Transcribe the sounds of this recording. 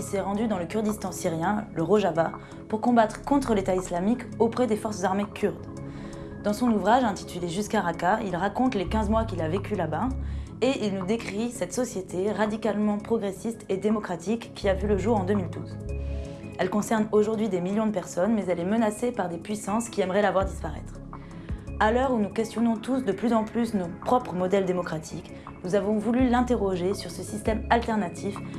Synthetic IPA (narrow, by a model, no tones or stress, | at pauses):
isɛʁɑ̃d̪yd̪ɑ̃ləkʲyʁd̪ist̪ɑ̃siʁjɛ̃ləʁoʒava | puʁkɔ̃bat̪χəkɔ̃t̪χəlet̪aislamikopχɛd̪efɔʁszaʁmekʲʰyʁd̪ | d̪ɑ̃sɔ̃nuvʁaʒɛ̃t̪i̥t̪yleʒyskaʁakailʁakɔ̃t̪lekʲɛ̃zmwakʲilavekʲylaba | eʔilnud̪ekχisɛt̪sɔsjet̪ʰeʁad̪ikalmɑ̃pχɔɡʁesist̪ed̪emɔkχat̪ʰikːiavyləʒuʁɑ̃d̪ømild̪uz | ɛlkɔ̃sɛʁnoʒuʁd̪ɥid̪emiljɔ̃d̪əpɛʁsɔnmɛzɛlɛmənasepaʁd̪epɥisɑ̃skʲiɛmʁɛlavwaʁd̪ispaʁɛ̰t̪χ | alœʁunukʲɛst̪jɔnɔ̃t̪usd̪əplyzɑ̃plysnopχɔpχəmɔd̪ɛld̪emɔkχat̪ʰik | nuzavɔ̃vulylɛ̃t̪eʁɔʒesyʁsəsist̪ɛmalt̪ɛʁnat̪ʰif